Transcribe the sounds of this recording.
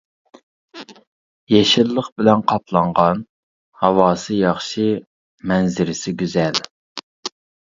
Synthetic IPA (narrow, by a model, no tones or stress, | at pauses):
jɛʃɪlˠːəχbɪlɛnqʰɑpʰlˠɑɴʁɑn | hɑwɑːsɨjɑχʃi | mɛnzɪɾɪsɪɡʲyzɛl